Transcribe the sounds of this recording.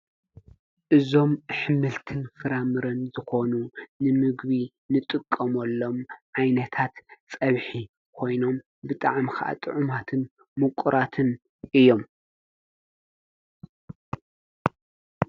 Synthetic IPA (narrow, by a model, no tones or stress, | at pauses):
ʔɨzo̞mħɨmɨlt̪ʰɨnfɨɾamɨɾɐnzɨxo̞nunɨmɨɡβi | nɨt̪ʼɨkʼːɐmɐlːo̞mʕajnɐt̪ʰat̪sʼɐβħi | kʰo̞jno̞m | bɨt̪ʼa̰ʕmixa̰ʔa̰t̪ʼɨʕʊmat̪ʰɨn | mɨkʷʼuɾʔat̪ʰɨn | ʔɨjːo̞m